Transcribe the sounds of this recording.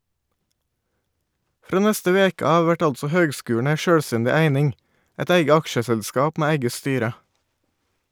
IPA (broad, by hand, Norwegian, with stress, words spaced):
ˈfɾoː ˈnɛstə ˈʋeːkə ˈɑːʋʋ ˈʋæʈ ˈɑltsɔ ˈhøːɡˌskʉːɳ̩ ˈæɪ ˈʃøːɽˌstɛndɪ ˈæɪnɪŋ ˈɛt ˈæɪɡə ˈɑkʃəsɛʎˌskɑːp ˈmeː ˈæɪɡə ˈstyːɾə